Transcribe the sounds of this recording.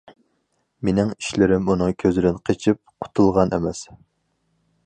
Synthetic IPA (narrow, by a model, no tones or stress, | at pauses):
menɪŋi̥ʃlɪɾɪmunɨŋkʲʰøzɪd̪ɪnqʰet͡ʃʰip̚qʰʊ̥t̪ʰulˠʁɑnʔḛmɛs